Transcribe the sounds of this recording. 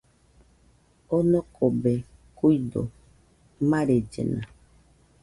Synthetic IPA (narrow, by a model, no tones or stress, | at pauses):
onɔkʰobe | kuido̰ | maɾed͡ʒḛna̰